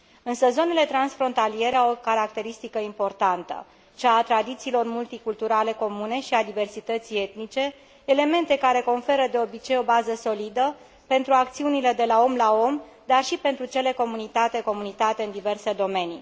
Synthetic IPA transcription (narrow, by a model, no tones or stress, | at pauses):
ɨnsəzo̞ne̞le̞t̪ɾansfɾo̞nt̪alije̞ɾeawokaɾak̚t̪e̞ɾist̪ikəimpo̞rt̪ant̪ə̰ | t͡ʃaːt̪ɾad̪it̪siːlo̞rmult̪ikult̪uɾale̞ko̞mune̞ʃiad̪ive̞rsit̪ət̪sije̞t̪nit͡ʃe̞ː | le̞me̞nt̪e̞kaɾe̞ko̞ɱfe̞ɾəd̪e̞o̞bit͡ʃe̞jo̞bazəso̞lid̪ə | pe̞nt̪ɾuak̚t̪siunile̞d̪e̞lao̞mlao̞m | d̪arʃipe̞nt̪ɾut͡ʃe̞le̞ko̞munit̪at̪e̞ko̞munit̪at̪e̞ɨnd̪ive̞rse̞d̪o̞me̞ni